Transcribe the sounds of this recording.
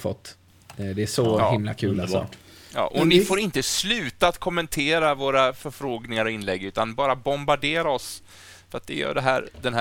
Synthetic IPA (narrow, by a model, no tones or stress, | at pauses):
fɔ̰t̪ː | d̪ɛːʂɔɪmla̰kʰʉːlaɔ̰ːʈjɑ̰ːʔɔnɪfoːɾɪnt̪əslʉ̟ːt̪aat̪kʰɔmːɛnt̪ʰeːɾavoːɾafœɾfɾoːɡnɪŋaɾɔɪnːlɛɡːʉ̟ːt̪anbɑːɾabɔmbaɖeːɾaɔs | fœɾat̪̚d̪ɛjœ̰ːɖɛɦæːɾd̪ɛnɦæ